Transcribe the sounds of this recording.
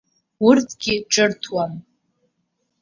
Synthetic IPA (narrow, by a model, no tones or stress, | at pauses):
urtʰɡ̥ʲɪʈ͡ʂʼɨrtʰwam